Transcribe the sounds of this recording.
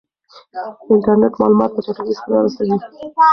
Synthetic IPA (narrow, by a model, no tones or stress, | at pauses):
ɪɳʈaɾneʈmɑlumɑt̪̚pət̪oʈalizaɾɑɾasawi